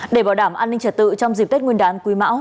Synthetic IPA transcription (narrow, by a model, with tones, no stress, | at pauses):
ɗe˧˩ɓaː˧˩wɗaː˧˩mʔaː˧nːï˧ŋ̟t͡ɕə˨˧˩t̚t̪ɨ̰˧˨t͡ɕɔ˧wŋ͡mzi˨˩p̪̚t̚ŋwi˧nɗaː˨˦nkwi˨˦ma̰ː˧˥w